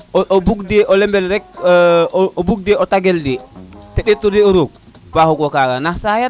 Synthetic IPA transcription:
ɔʔɔbuɡdɛʔɔlɛmbɛlɾɛk̚ | ɔbuɡ̚dɛɔtaɡɛldɛtɛɗɛtːɔdɛɔɾoɡ̚ | bahɔɡɔkaːɡanasaja

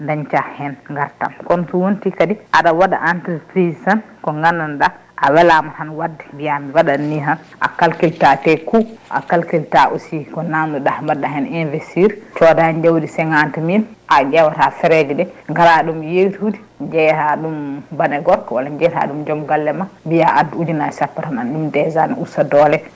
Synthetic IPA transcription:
ndaɲt͡ʃahɛnŋɡaɾta̰mkɔnɔsɔwontikadiʔaɗawaɗa̰ʔantipɾizsankɔŋɡanːanɗa | ʔawɛlamahanwadːɛmbijamiwaɗanːiɦan | ʔa̰kalkiltatɛkuʔa̰kalkiltaʔosikɔnanduɗahmbadːaɦɛninvestiɾt͡ʃɔdaɲd͡ʒawdisɛŋantiminʔad͡ʒɛwatafɛɾɛd͡ʒidɛŋɡalaɗumjewtudi | ɲd͡ʒɛhaɗumbanɛɡɔɾkɔwalaɲd͡ʒɛta̰ɗumd͡ʒɔmɡalːɛmambijaʔadud͡ʒinasapːaɾananɗumdɛzanusadɔlɛ

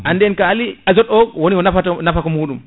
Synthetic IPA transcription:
ʔandɛnkaliad͡ʒɔɗɔwonikɔnafatnafakɔmuːɗum

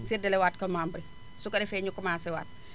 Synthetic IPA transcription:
sirdɛlɛwaːtkɐmaːmbɾi | sukɐɗɛfɛːɲukːɔmaːsɛwa̰ːt̚

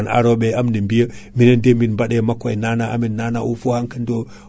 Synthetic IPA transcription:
na̰ɾoɓeamnimbijəminəndeminmbaɗemakʷːajnanaa̰minːana̰ʔufohaŋkəndo

